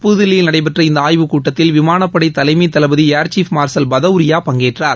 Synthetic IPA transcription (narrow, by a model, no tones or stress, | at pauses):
pʊðɪlːɪjɪlnɐɽɐɪp̬ɐʈrɐɪnd̪ɐaːjʋɯkuːʈːɐt̪ːɪlʋɪmaːnɐpːɐɽɐɪt̪ːɐlɐɪmit̪ːɐlɐbɐðiaːɾt͡ʃiːfmaːɾsɐlbɐðɐʋɾɪjaːpɐŋɡeːʈraːɾ